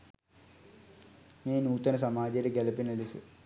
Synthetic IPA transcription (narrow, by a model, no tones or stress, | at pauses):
miːnuːt̪ːɐnɐsɐmaːd͡ʑɐɾeɡelɐpinɐlisɨ